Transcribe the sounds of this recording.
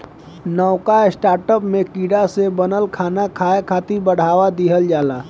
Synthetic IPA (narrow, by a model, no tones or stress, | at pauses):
nɔːkaɪsʈaːɾʈəpmẽkiːɽasebənəlkʰaːnakʰaːekʰaːt̪ibəɽ̤aːwad̪iɦəld͡ʒaːlaː